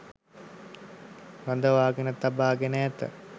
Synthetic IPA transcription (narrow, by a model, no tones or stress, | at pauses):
ɾand̪əʋaːɡenət̪abaːɡenəɛt̪ə̰